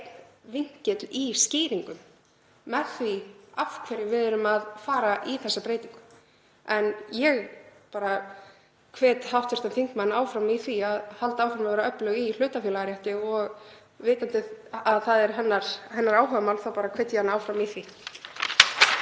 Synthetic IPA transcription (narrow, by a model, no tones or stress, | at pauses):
t̪nviŋ̥cɪt̪liscɪːɾiŋkʏmː | ɛðθviafkʰvɛɾɪvɪðʏɾʏmaðfaːɾaʔiθɛsːapɾeːjt̪iŋkʏ̥ | ɛnjɛɣpaːɾa | kʰvɛːt̪hawht̪ɛ̥ɾ̥t̪amθiŋ̥kmanːaːwfɾamiθviaðhalt̪aːwfɾamavɛɾaœplœɣil̥ʏːt̪afjɛːlaɾjaht̪ɪɔɣ | veːt̪ant̪ɪaðθaðɛɾ̥ɦɛnːaɾ̥hɛnːaɾaːwɦœvamawlθawpaːɾakʰv̥ɛːt̪janaːwfɾamiθi